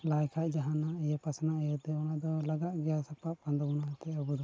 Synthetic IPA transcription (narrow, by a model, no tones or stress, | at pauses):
lajkʰaʔ̪̚d͡ʒaɦanaɛjɛpasnaʔɛjɔt̪ɛɔnad̪ɔlaɡaʔɡɛjasapaʔpand̪ɔbunat̪ɛɔbɔd̪ɔ